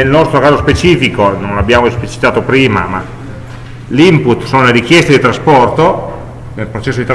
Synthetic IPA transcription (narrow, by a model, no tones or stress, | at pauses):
nelnɔst̪ɾokaːzospet͡ʃiːfikonõnlabjaːmoesplit͡ʃi̥t̪aːt̪opɾiːma̰ma̰ | limput̪ːsoːnoleɾik̟jɛst̪ed̪it̪ɾaspɔrt̪o | nelpɾot͡ʃɛsːod̪it̪